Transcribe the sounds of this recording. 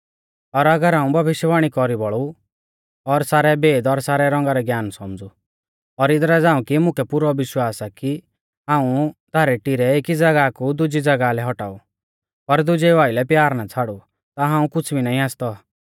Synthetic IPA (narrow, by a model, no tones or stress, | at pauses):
ɔɾɐɡəɾɦãːũbʱɐbɪʃjbaːɽ̃ikɔɾibɔɭu | ɔɾsaːɾɛbeːd̪ɔɾsaːɾɛɾɔ̃ŋɡaɾɛɡjaːnsɔmd͡zu | ɔɾɪd̪ɾad͡zãːũkimʊ̃kʰɛpʊɾɔʋɪʃwaːsaki | ɦãːũt̪aːɾɛʈiɾɛekid͡zɐɡakud̪ʊd͡ʒid͡zɐɡalɛɦɔʈaːu | pɐɾd̪ʊd͡ʒɛʋaːɪlɛpjaːɾnat͡sʰaɽu | t̪aɦãːũkʊt͡sʰbʱinaːĩaːst̪ɔ